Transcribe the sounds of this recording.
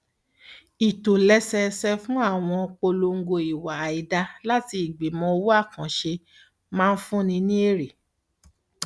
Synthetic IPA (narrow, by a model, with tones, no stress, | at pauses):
i˨to˨lɛ˦sɛ˧sɛ˧fũ˦a˦˨w̃ɔ̃˧k͡po˧lo˧ŋ̩˦ɡo˧i˨wa˨i˨da˧la˦ti˧i˨ɡ͡bi˨mɔ̃˧wu˦a˦˨kã˨ʃe˧ | mãː˦˧n̩˦fũ˦nĩ˧nĩ˦e˦˨ɾe˨